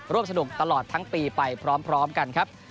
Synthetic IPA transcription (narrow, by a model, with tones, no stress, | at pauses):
ɾu˥˩əms̬a˧u˨˩k̚t̪a˧lɔː˨˩t̪ʰːa˦˥ŋpiː˧pa˧jpʰɾɔː˦˥mpʰɾɔː˦˥mka˧nkʰa˦˥p̚